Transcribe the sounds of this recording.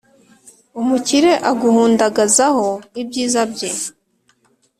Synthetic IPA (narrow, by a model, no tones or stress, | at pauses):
umuciɾe̞ʔaɡuhuːndaɡazaho̞ibɟiːzabɟe